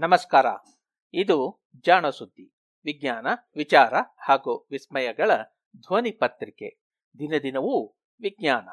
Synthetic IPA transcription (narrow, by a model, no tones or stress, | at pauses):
nɐmɐskaːɾa̰ː | id̪u | d͡ʒaːɳɐsud̪ːi | ʋiɡɲaːnɐʋit͡ʃaːɾɐhaːɡuʋismɐjɐɡɐɭɐ | d̪ʱʋɐnipɐt̪ɾikḛ | d̪inɐd̪inɐʋu | ʋiɡɲaːnɐ̰